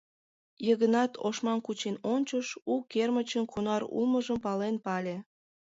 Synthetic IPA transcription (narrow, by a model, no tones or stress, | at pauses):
jəɣənɑt̪ʰo̰ʃmɑnkut͡ɕenonʲt͡ɕəʃukermət͡ɕənkunɑɾṵlməʒəmpɑlenpɑlʲe